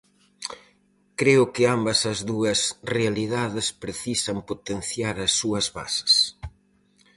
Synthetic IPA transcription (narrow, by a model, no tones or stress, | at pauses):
kɾeʊkɪambɐsɐzðuɐsrealiðaðɪspɾeθisɐmpot̪en̟θjaɾɐsːuɐzβa̰sɐ̥s